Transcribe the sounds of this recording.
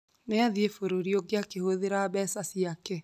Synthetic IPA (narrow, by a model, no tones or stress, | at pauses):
neaðiefoɾoɾioɡeakehoðeɾaβɛsasiakɛ